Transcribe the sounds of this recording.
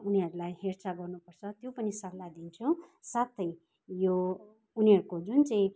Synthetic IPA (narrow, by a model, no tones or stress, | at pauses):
uniɦʌɾulajhert͡saɡʌrnupʌrt͡sʰʌt̪jopʌnisʌklad̪int͡sʰusat̪ʌj | jo | uniɦʌɾukod͡zunt͡saĩ